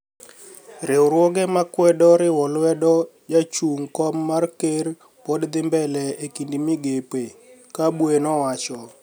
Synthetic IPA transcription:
ɾɪwɾwɔɡɛmakwɛdɔɾɪwɔlwɛdɔd͡ʒat͡ʃuŋkɔmːarker | podd̪ɪmbɛlɛekindimɪɡepekabwenɔwat͡ʃɔ

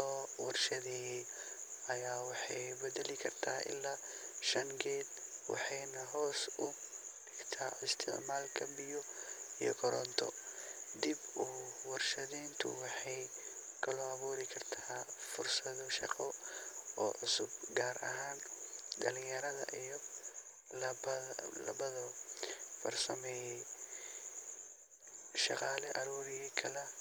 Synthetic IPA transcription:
ɔːwɑrʃɐðɛɛ | ɐjaːwɑħɑjbɛdɛlɪkʰɐrt̪ʰa̰ːʔɪ̰lːaː | ʃɐŋkʰɛːd̪wɑ̰ħɑjnɐɦɔːsʊɖɪkt̪ʰaːɪst̪ʰɪ̰ʕmaːlkʰɐbɪjɔijɔ̰kʰɔɾɔnt̪ʰɔ̰d̪ɪbuwɑrʃɐðiːnt̪ʰʊ̰wɑħɑjkʰɐlɔːɐβuːɾɪkʰɐrt̪ʰaːfʊrsɐðɔʃɑ̰qɔɔ̰ːʕʊsʊb̚ɡaːɾʔɐ̰ɦaːnɖɐlɪjɐɾɐðɐ̰ʔijɔ | lɐlɐ̰βɐðɐ | fɐ̰rsɐmɛːjɛj | ʃɑqɑːlɛʔɐɾuːɾɪjɛjkʰɐlɛ

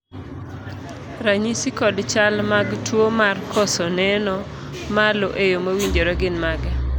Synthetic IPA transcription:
ɾaɲisikɔdt͡ʃalmaɡtwomarkɔsɔnɛnɔ | maloʔejomowiɲd͡ʒoɾɔɡɪnmaɡɛ

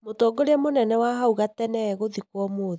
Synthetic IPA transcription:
motɔɡoɾeamonɛnɛwaɦauɣatɛnɛɣoðikwɔmoð

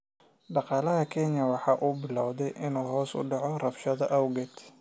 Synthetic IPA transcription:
ɖɑqɑːlɐɦɐkʰɛnjɐwɑħɑːʔubɪlɐwðɛjʔɪnuːɦɔːsʊ̰ɖɑʕɔrɐfʃɐðɐʔɐwɡɛd̪

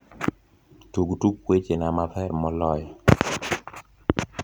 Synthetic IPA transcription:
t̪uɡtuk̚ːwet͡ʃenamapʰaɾmɔlɔj

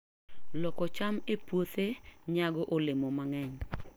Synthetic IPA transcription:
lɔkɔt͡ʃamepwot̪eɲaɡɔʔolemomaŋɛɲ

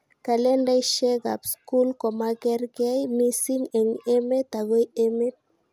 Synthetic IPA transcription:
kalendajʃeɡa̰pskulkɔmaɡɛrɡajmisiŋeŋemet̪aɣojemet̚

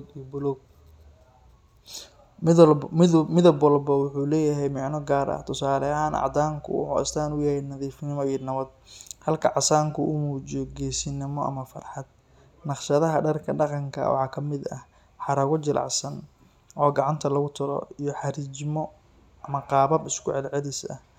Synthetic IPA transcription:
d̪ibʊlɔɡ̚ | mɪðɐbwɐlbɐwʊħuːlɛːjɐɦɛjmɑʕnɔɡaːɾʔɐ̰ht̪ʰʊsaːlɐɦaːnʔɑ̰ʕd̪aːŋkʰʊ̰wʊ̰ħṵɪ̰st̪ʰaːnʊjɛhɛnɐðiːfɪnɪmɔiːɔnɐβɐd̪̚hɐlkʰɐʕɑsaːŋkʰʊʔʊmuːt͡ʃɪjɔɡɛːsɪnɪmɔʔɐ̰mɐfɐ̰rħɑd̪̚ | nɑqʃɐðɐɦɐɖɐrkʰɐɖɑqɑŋkʰɐ̰wɑ̰ħɑːkʰɐmɪd̪ɐ̰h | ħɑɾɐɣʊt͡ʃɪlʔɑ̰ʕsɐn | ʔɔːɡɑʕɑnt̪ʰɐlɐɣʊt̪ʰʊɾɔ̰ijɔħɑɾid͡ʒmɔ | ɐmɐqɑːβɐbɪskʰʊʕɛd̪ʕɛðiːsɐ̰h

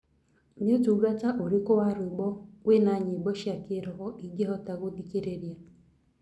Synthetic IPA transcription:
ɲetuɡataʔoɾikɔwaɾʊeɡ͡bɔwenaɲiɡ͡bɔʃakeɾɔɦɔʔiɡeɦɔtaɣodikeɾeɾja

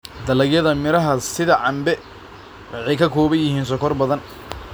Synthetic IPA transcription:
d̪ɐlɐɣjɐðɐmɪɾɐɦɐsɪðɐʕɑmbɛ | wɑħɑjkʰɐkʰɔːβɐnjɪhiːns̬ɔkʰɔrbɐðɐn

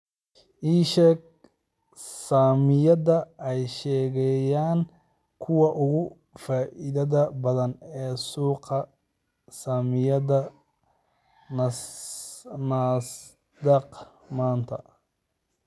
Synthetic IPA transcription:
ʔiːʃɛk̚ | saːmɪjɐðɐʔɛjʃɛːɣɛjaːŋ | kʰʊwɑʔʊɣʊ | faːʔɪðɐðɐbɐðɐnɛːsuːqɐ | saːmɪjɐðɐ | naːs | d̪ɛq | maːnt̪ʰɐ̰

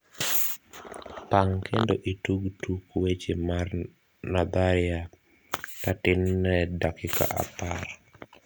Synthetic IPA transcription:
paŋkʰendoʔituɡtukwet͡ʃemar | nad̪aɾɪa | tatɪnːɛdakɪka̰ʔa̰par

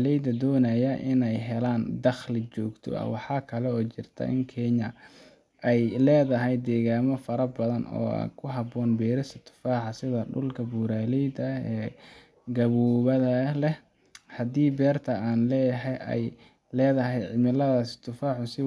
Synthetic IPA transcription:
lɛjd̪ɐd̪ɔːnɐjɐʔɪnɛjɦɛlaːnd̪ɐχlɪt͡ʃɔːɡt̪ʰɔ̰ɐ̰wɑħɑːkʰɐlɛɔːt͡ʃɪrt̪ʰɐ̰ʔɪ̰ŋkʰɛɲɐ | ʔɛjlɛːðɐɦɛjd̪ɛːɣaːmɔfɐɾɐbɐðɐnɔ̰ːkʰʊɦɑbɔːnbɛːɾɪsɪt̪ʰːʊ̥faːħɑsɪðɐɖʊ̰lkʰɐbuːɾaːlɛjd̪ɐɛː | ɡɐβuːβɐðɐlɛ | hɐd̪iːbɛːrt̪ʰɐaːnlɛːjɐɦɛjʔɛ̰j | lɛːðɐɦɛjʕɪmɪlɐðɐsɪ̥t̪ʰʊfaːʕʊsɪ

